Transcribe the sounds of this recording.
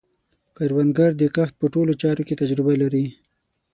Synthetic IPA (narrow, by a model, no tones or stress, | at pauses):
kaɾwand̪ɡaɾd̪ekaxt̪̚pəʈolot͡ʃɑɾoket̪ad͡ʒɾɪbalaɾi